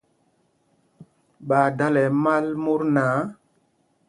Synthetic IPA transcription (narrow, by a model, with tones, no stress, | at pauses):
ɓa˨da˦lɛ˨ma˦lmu˦ɾnaː˨˦